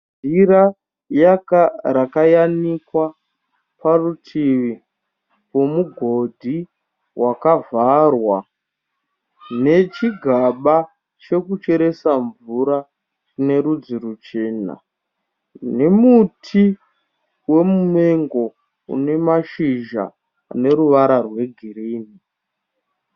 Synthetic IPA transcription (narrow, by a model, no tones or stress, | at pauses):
ira | jakarakajanikwa | parutʰiʋi | wo̞muɡʱo̞dʱi | wʔakavʱarwa | ne̞t͡ʃiɡʱaɓa | t͡ʃe̞kut͡ʃe̞ɾe̞saɱvuɾa | rine̞ɾud͡ziɾut͡ʃe̞ːna̰ | ne̞mutʰi | we̞mume̞ŋɡo̞ | ṵne̞maʃiʒa̰ː | ne̞ɾuʋaɾarwe̞ɡʱiɾiːni